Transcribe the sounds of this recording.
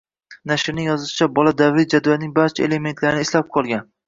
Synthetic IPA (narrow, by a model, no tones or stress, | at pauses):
naʃɾnɪŋjɒzɪʃɪ̥t͡ʃʰabɒlad̪avɾɪj̪d͡ʒad̪ɒjanɪŋbaɾt͡ʃʰaele̞me̞nt̪ʰlaɾɪnɪɪslap̚qʰɒlˠɡʲan